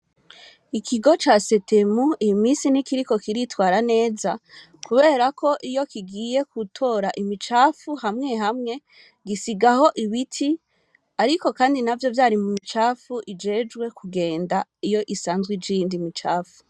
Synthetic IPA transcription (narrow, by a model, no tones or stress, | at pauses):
ikʰiɡo̞t͡ʃaːse̞te̞muimiːsinikiɾiko̞kiɾitwaːɾane̞ːza | kuβe̞ːɾakʰo̞ʔijo̞kʰiɡiːje̞kutʰo̞ːɾaʔimit͡ʃaːfuhamŋe̞ɦamŋe̞ | ɡisiɡaho̞ʔiβitʰi | aɾiko̞kaːndinavjo̞vjaːɾimumit͡ʃaːfuʔid͡ʒe̞ːd͡ʒɡwe̞kʰuɡe̞ːndaijo̞ʔisaːnzɡwid͡ʒindimit͡ʃaːfu̥